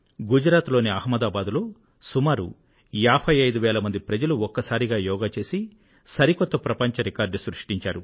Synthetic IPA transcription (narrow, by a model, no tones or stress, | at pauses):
ɡud͡ʒɾaːt̪lo̞ːniɐhmɐd̪aːbaːd̪lo̞ː | sumaːɾṵ | jaːpʰɐjɐjd̪uʋɛːlɐmɐnd̪ipɾɐd͡ʒɐluɔkːɐsaːɾiɡaːjɔːɡaːt͡ʃe̞ːsi | sɐɾikɔt̪ːɐpɾɐpɐɲt͡ʃɐɾikaːɾɖsɾuʂʈiɲt͡ʃaːɾu